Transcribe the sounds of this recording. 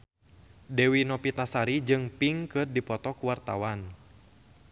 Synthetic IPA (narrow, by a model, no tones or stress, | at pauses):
dɛwinɔpit̪asaɾid͡ʒɨŋpiŋkɨrdipɔt̪ɔkuwart̪awan